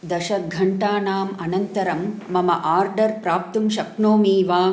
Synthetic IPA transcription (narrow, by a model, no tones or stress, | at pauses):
d̪ɐʃɐɡʱɐɳʈaːnaːmɐnɐnt̪ɐɾɐmːɐmɐʔaːɾɖɐɾpɾaːp̚t̪umʃɐkɳoːmiːʋaː